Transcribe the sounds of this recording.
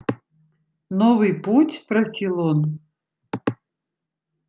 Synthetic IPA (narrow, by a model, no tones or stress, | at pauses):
nɔvɨjputʲspɾɐsʲilˠɔn